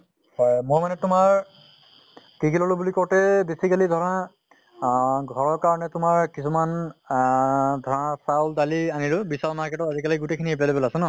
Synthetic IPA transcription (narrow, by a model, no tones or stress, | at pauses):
hɔjmojmanɛtʊmaɹ | kikʰilɔlobulikɔɹtɛbesikalidʱɔɹɔa | ɡʱɔɹɔɹkaɹɔnɛtʊmaɹkisuman | dʱɔɹɔasaldalianilʊbisaɹɔmaɹkɛtɔtazikaliɡutekʰiniɦep̬alibɛlasɛ̃nɔ